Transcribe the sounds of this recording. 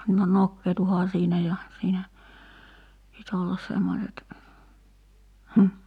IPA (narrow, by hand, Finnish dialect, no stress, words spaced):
no nokːeːtuhɑː siːnæ jɑ siːnæ pit olːɑs semːoset hm̩